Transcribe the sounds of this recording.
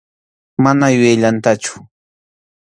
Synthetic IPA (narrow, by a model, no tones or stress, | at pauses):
manajʊjajʎant̪at͡ʃʊ̥